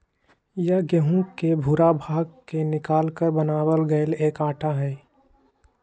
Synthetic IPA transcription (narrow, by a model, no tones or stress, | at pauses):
jəɡəɦũkebʱuɾabʱaːɡkenɪkaːlkəɾbənaːwəlɡəeleːkaːʈʰaɦɛː